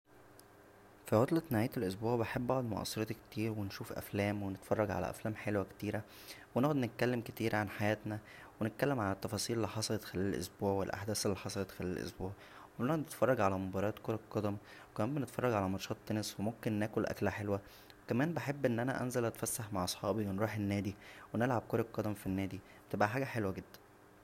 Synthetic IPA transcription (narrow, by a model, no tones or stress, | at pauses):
fiʕot̪ˤlet̪naʕæːjt̪elʔos̬buːʕbeħebːbɑʕd̪mo̰ʔɑ̰sˤːeɾɑt̪ke̥t̪iːɾwenʃuːfʔæ̰flæːmwenet̪fɑrˤːɑɡʕa̰læ̰ʔæ̰flæːmħelwækt̪iːɾæ | wenoʔʕod̪net̪̚kælːemket̪iːɾʕanħajæːt̪næ | wenet̪̚kælːemʕalæt̪ːɑfɑːsˤiːlelːiħɑsˤɑlɑt̪xælæːlælʔo̰sbuːʕwelʔa̰ħd̪æːselːiħɑsˤɑlɑt̪xælæːlæ̰lʔo̰sbuːʕ | webnd̪net̪fɑrˤːɑɡʕalæmobɑɾˤɑːt̪koɾɑkːɑd̪æmwekææːmbenet̪fɑrˤːɑɡʕalæmɑɾʃɑːt̪ˤːɑneswemomkenːæːkolʔæ̰klæħelwæ | wekæmæːnbeħebːʔenːʔænæ̰ʔænzælʔæt̪fæsːaħmaʕʔɑsˤħɑːbiwenɾuːħenːæːd̪iwenelʕab̚koɾˤɑqːɑd̪æmfinːæːd̪i | bt̪ebʔæħaːɡæħelwæɡed̪ːæ̥n